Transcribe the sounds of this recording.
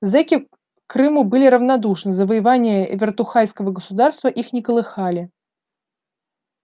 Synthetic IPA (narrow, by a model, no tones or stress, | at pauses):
zɛkʲɪ | kɾɨmɨbɨlʲɪɾəvnɐd̪uʂnɨzəvəjɪvanʲɪjəvʲɪrt̪ʊxajskəvəɡəsʊd̪arst̪vəʔixnʲɪkəlˠɨxalʲɪ